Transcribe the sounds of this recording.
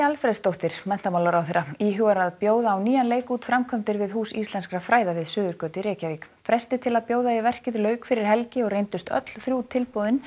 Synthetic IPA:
alfɾɛðst̪owht̪ɪɾ̥mɛn̥t̪amawlaɾawθejɾːaiːɦʏɣaɾaðpjoːwðaːwniːjanleːjkuːt̪fɾamkʰɔmt̪ɪɾvɪðhuːsist̪lɛnskɾafɾaːjðavɪðsʏːðʏɾ̥kœːt̪ɪɾɛːcaviːk | fɾɛst̪ɪt̪ʰɪlaðpjoːwðaivɛr̥cɪðlœːɥkfɪɾɪɾ̥ɦɛlcɪɔɣrejnt̪ʏst̪œ̰t̪l̥θɾjut̪ʰɪlpowðɪn

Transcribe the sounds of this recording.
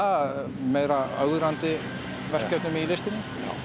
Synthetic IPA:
meːjɾaœɥɾant̪ɪ | vɛr̥cœt̪nʏmɪilɪst̪ɪnɪ̰

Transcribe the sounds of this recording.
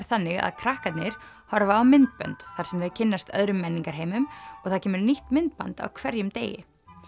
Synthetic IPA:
ɾθanːɪɣa̰ðkʰɾahkat̪nɪɾ̥ | hɔɾvaːwmɪnt̪̚pœ̰nt̪θaɾ̥sɛmðœɥcʰɪnːast̪œ̰ðɾʏmːɛnːiŋkaɾɦeːjmʏmɔɣθaðcʰɛːmʏɾniht̪mɪnt̪̚pa̰nt̪a̰wkʰvɛɾjʏmt̪ḛːjɪ̰

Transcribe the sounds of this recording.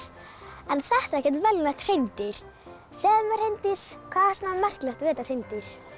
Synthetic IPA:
ɛnθɛht̪aɾɛhcɛ̥t̪vɛlnat̪r̥ejnt̪ɪɾ̥ | sɛːðamɛr̥hejnt̪ɪskʰvaːðɾstnːamɛr̥klɛxt̪vɛːt̪ar̥ejnt̪ɪɾ̥

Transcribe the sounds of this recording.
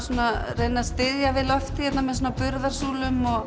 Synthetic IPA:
suːnarejnast̪ɪðjavɪðlœft̪ɪ̥çɛt̪namɛðs̬uːnapʏɾðaɾ̥suːlʏmɔɣ

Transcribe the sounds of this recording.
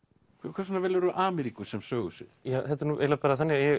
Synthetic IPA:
kʰɛkʰɛɾsɔnavɛːlɾʏʔaːmɛɾikʏsɛmsœːɣʏsɪ̰ðjaːθɛt̪ːɛɾnuːʔɛ̰lapɛːɾaθanːɪjɛ

